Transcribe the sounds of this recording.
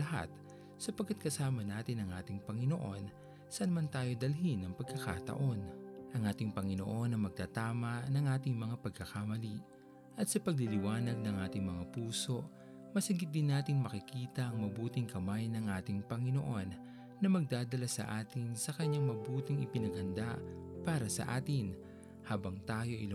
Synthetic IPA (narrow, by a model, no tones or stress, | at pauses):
lɐɦa̰t̪ | sɐpɐɡkːat̪̚kɐsaːmɐnaːt̪ɪnɐŋʔaːt̪ɪŋpɐŋɪno̞ʔo̞n | sɐnɐmant̪aːjo̞d̪ɐlɦinɐŋpɐɡ̚kɐka̰t̪ɐ̰ʔo̞nʔɐŋʔaːt̪ɪŋpɐŋɪno̞ʔo̞nɐjmɐɡ̚t̪aːt̪aːmɐnɐŋʔaːt̪ɪŋmɐŋapɐɡ̚kɐkamɐli | ʔɐt̪sɐpɐɡ̚lilɪwaːnɐɡ̚nɐŋʔaːt̪ɪŋmɐŋapuːso̞ | mɐsɐɡɪt̪̚d̪ɪnːaːt̪ɪŋmɐkɪkiːt̪ɐʔɐŋmɐbuːt̪ɪŋkɐmajnɐŋʔaːt̪ɪŋpɐŋɪno̞ʔo̞nː | ɐmɐɡ̚d̪aːd̪ɐlasɐ̰ʔaːt̪ɪnsɐkɐɲaŋmɐbuːt̪ɪŋɪpɪnɐɡ̚hɐnd̪apaːɾɐsɐ̰ʔa̰ːt̪ɪn | haːbɐŋt̪aːjo̞ʔḭl